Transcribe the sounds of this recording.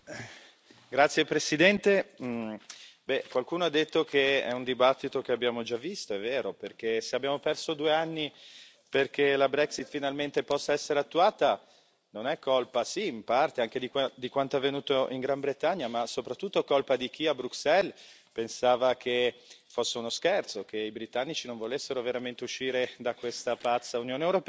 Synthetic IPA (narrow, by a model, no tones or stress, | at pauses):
ɡɾat̪sːjepɾesid̪ɛnt̪e | bɛkwalkuːnoad̪ːet̪ːokʰeɛ̰und̪ibat̪ːit̪okeabːjaːmod͡ʒavːist̪oɛvːeːɾoperk̟eseabjaːmopɛrsod̪uːeanːi | perk̟elabɾɛksit̪finalment̪epɔsːaɛsːeɾeat̪ːuaːt̪a | nonɛkʰːolpasiːmpart̪eaŋk̟ed̪ikd̪ikwant̪oɛvːenuːt̪oʔiŋɡɾambɾet̪aɲːamasopɾat̪ːut̪ːokolpad̪ik̟iabɾuksɛl | pensaːvakʰefosːeunoskɛrt̪sokʰeibɾit̪anːit͡ʃinõɱvolesːeɾoveɾament̪euʃːiːɾed̪akwest̪apat̪sːaunjoːnewɾopɛ